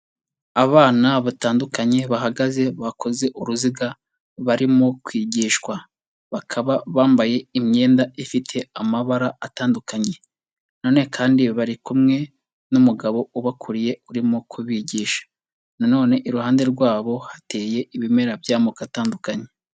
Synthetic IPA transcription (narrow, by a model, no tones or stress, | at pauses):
aβaːnaβataːndukaɲe̞βaɦaɡaze̞βakʰo̞ze̞ʔuɾuziɡa | βaɾimo̞kwiːɟiːʃkwa | βakʰaβaβaːmbaje̞imɲe̞ːndaifitʰe̞amaβaɾaataːndukaɲe̞ | noːne̞kʰaːndiβaɾikumŋe̞ | numuɡaβo̞uβakʰuɾije̞uɾimokʰuβiːɟiːʃḁ | nano̞ːne̞ʔiɾuhaːnde̞ɾɡwaːβo̞hḁte̞ːje̞ʔiβime̞ɾabjaːmokataːndukaɲe̞